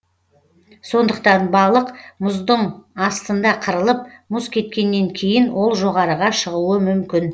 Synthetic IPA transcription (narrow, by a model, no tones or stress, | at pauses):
so̞nd̪əqt̪ɑnbɑlˠəqmʊzd̪əɴɑst̪ənd̪ɑqʰəɾəlˠəp̚mʊskʲʰe̞t̪̚kʲe̞nːe̞ŋkʲʰe̞jɪnwʔo̞lˠʒo̞ʁɑɾəʁɑʃəʁuəmʏmkʲɪn